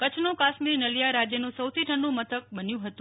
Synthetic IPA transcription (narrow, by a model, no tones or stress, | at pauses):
kət͡ʃʰnokaʃmiɾnəlijaɾad͡ʒjənũsəwt̪ʰiʈʰəɳɖũmət̪ʰək̚bənjũɦət̪ũ